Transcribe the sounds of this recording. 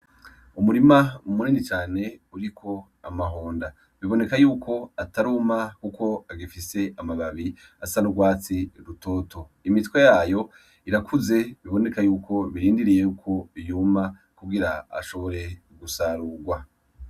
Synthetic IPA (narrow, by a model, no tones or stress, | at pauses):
umuɾimaumuniːnit͡ʃaːne̞uɾikʰo̞ | amaɦoːnda | βiβo̞ne̞kajuːkʰo̞ataɾumakukʰo̞aɡifise̞amaβaβi | asanuɡwaːt͡siɾutoːto | imitwe̞jaːjo̞ | iɾakʰuze̞βiβo̞ne̞kajuːkʰo̞βiɾiːndiɾijejukʰo̞ijuma | kuɡiɾaa̰ʃo̞βo̞ɾe̞ | ɡusaɾuɡwa